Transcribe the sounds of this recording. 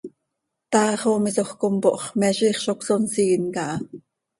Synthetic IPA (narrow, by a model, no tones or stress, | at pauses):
t̪ɑːχomisoχkompoʔχmɛʃiːχʃoksonsiːnkɑʔɑ